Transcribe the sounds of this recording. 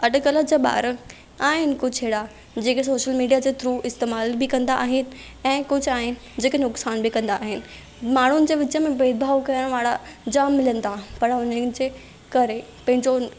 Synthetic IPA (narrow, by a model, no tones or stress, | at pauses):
ɐɖkələd͡ʑeːɓa̰ːɾə | aːɦɪnɪ̆kʊd͡ʑʱɦeːɽa | d͡ʑeːkesoːʃəlmiːɖijad͡ʑeːt̪ɾuːɪst̪eːmaːlbɪkɐ̃nd̪aʔːɦɪnɪ̆ | ɛ̃ːkʊd͡ʑʱʊaːɦɪnɪ̆d͡ʑeːkenʊksaːnbɪkɐ̃nd̪aːɦɪnɪ̆ | maːɳ̤ʊnɪ̆d͡ʑeːʋɪt͡ɕəmẽbeːd̪bʱaːʋkɐjəɽ̃ʋaːɽad͡ʑaːmːɪlənɪ̆t̪ʰapɐɾʊnəd͡ʑeː | kɐɾe | pɐ̃ɦɪ̃ɲd͡ʑo